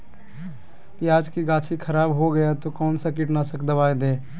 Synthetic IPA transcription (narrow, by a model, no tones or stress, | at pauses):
pjaːd͡ʒkiɡaːt͡ʃʰikʰəɾaːbɦoɡəjat̪okɔːnsakiʈnasəkd̪əbaːjd̪eː